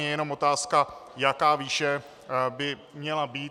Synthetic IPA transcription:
ɛjɛno̞mo̞t̪aːskajakaːviːʃɛ | bɪ | mɲɛlabiː

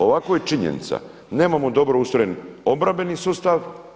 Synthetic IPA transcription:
o̞ʋakojet͡ʃiɲḛnḭt̪sa̰ | ne̞ːmamod̪o̞bɾoust̪ojeno̞bɾambe̞nisuːst̪aʋ

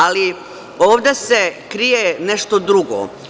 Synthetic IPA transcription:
ali | o̞ːʋd̪esekɾijeneʃt̪od̪ɾuɡo̰

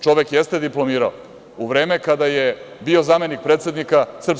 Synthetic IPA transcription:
t͡ʃo̞ʋekjest̪e̞d̪iplˠo̞miːɾao | uʋɾe̞ːme̞kad̪ajebio̞zame̞nik̚pɾeːt̪sed̪nikasr̩p

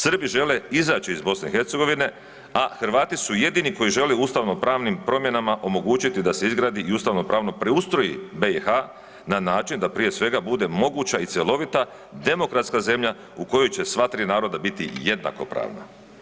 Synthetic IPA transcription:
sr̩biʒe̞le̞izaːt͡ɕiizbo̞sneixe̞ɾt̪se̞ɡo̞ʋine̞ | axɾʋaːt̪isuje̞d̪iniko̞jiʒe̞leust̪aʋno̞pɾaːʋnimpɾo̞mje̞namaʔo̞mo̞ɡuːt͡ɕit̪id̪ase̞izɡɾaːd̪iiust̪aʋno̞pɾaːʋno̞pɾeust̪ɾo̞jḭbeixa | nanaːt͡ʃind̪apɾije̞sʋe̞ɡabud̪e̞mo̞ɡuːt͡ɕait̪sjelˠo̞ʋit̪a | d̪e̞mo̞kɾat̪skaze̞mʎa | uko̞jo̞jt͡ɕe̞sʋat̪ɾiːnaːɾo̞d̪abit̪ḭje̞d̪na̰ko̞̰pɾa̰ːʋna̰

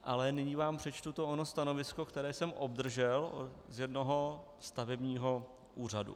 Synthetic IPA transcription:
ʔalɛnɪɲiːvaːmpr̝̥ɛt͡ʃt̪ut̪oʔonost̪ano̞vɪsko̞kt̪ɛɾɛːsɛmʔob̚d̪r̩ʒɛlzjɛdnoɦo̞ | st̪avɛbɲiːɦo̞ | ʔuːr̝adṵ

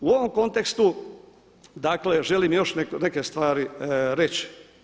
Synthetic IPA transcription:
uo̞ʋomko̞nt̪e̞kst̪u | d̪akle̞ʒelimjo̞ʃneknekest̪ʋaːɾiɾet͡ɕi̥

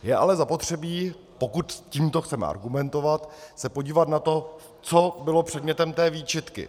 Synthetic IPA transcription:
jɛʔalɛzapo̞t̪r̝̥ɛbiː | po̞kut̪ciːmt̪oxt͡sɛmɛ̰ʔa̰ɾɡumɛnt̪o̞vat̪sɛpo̞ɟiːvat̪nat̪o̞ | t͡so̞bɪlo̞pr̝̥ɛd̪mɲɛt̪ɛmt̪ɛːviːt͡ʃɪt̪kɪ̰

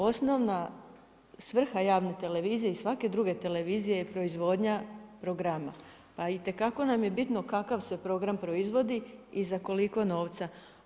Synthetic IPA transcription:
o̞sno̞ʋna | sʋr̩xajaːʋnet̪e̞leʋiːzijeisʋake̞d̪ɾuɡe̞t̪e̞le̞ʋiːzije̞pɾo̞izʋo̞d̪ɲapɾo̞ɡɾama | pait̪e̞kako̞namje̞bit̪no̞kakaʋse̞pɾo̞ɡɾampɾo̞izʋo̞d̪iizako̞liko̞no̞ːʋt̪sa

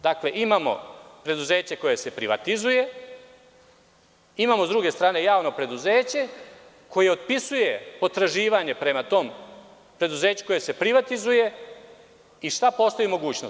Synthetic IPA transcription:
d̪akle̞ʔimaːmo̞̰pɾe̞d̪uze̞ːt͡ɕe̞ko̞je̞se̞pɾiʋa̰t̪izuje̞ | imaːmo̞zd̪ɾuɡe̞st̪ɾaːne̞jaːʋno̞pɾe̞d̪uzeːt͡ɕe̞ | ko̞je̞od̪̚pisuje̞po̞t̪ɾaʒiːʋaɲe̞pɾe̞mat̪o̞ːm | pɾe̞d̪uze̞ːt͡ɕu̥ko̞jese̞pɾiʋat̪izuje̞ | iʃt̪apo̞st̪oimo̞ɡuːt͡ɕno

